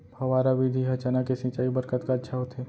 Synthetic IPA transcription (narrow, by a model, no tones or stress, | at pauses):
ɐʋaːɾaʋid̪ʱiɦɐt͡ʃaːnakesɪ̃ːt͡ʃaːibɐɾkət̪kaɐtːʃʰaɦot̪eː